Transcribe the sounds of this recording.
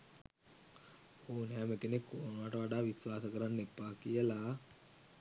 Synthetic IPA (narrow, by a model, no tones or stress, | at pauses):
oːnæːməkenekːoːnʋaːʈəʋaɖaːʋisʋaːsəkəɾanːepːaːkijəla